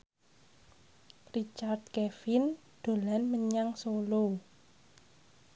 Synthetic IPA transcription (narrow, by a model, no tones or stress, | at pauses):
rit͡ʃard̪̚kefin | d̪̥o̤lanməɲaŋsolo